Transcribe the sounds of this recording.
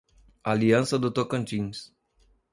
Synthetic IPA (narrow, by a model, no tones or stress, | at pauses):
aliansəd̪ət̪okənt͡ʃiŋs